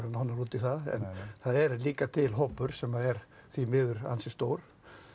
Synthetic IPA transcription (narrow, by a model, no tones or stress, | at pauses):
ɾanhɔnːaluːt̪ɪθaðɛ̰nθaðɛɾliːkat̪ʰɪlɦɔpːʏɾ̥sɛmaɛɾ | θimɪːðʏɾa̰nsʏst̪owɾ̥